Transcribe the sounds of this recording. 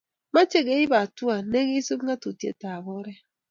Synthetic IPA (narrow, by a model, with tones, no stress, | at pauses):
ma˦t͡ʃe˦ɡe˨˦i˦ba˨tu˦a˨ne˦ɣi˦su˦bŋa˦tu˨tjḛ˨ta˨bɔ˦ɾɛ˦